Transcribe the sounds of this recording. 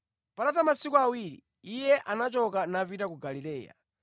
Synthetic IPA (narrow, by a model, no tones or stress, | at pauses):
padatamasikuawiɾḭ | ijɛʔanat͡ʃɔkanavitakuɡalilɛːja̰